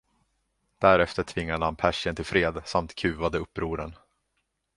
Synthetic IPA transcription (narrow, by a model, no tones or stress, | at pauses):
d̪̥æɾɛft̪əʈʰvɪŋːad̪əhanpʰæʂɪənt̪ʰɪlfɾeːd̪samt̪kʰʉ̟ːvad̪əɵpːɾuːɾə̰n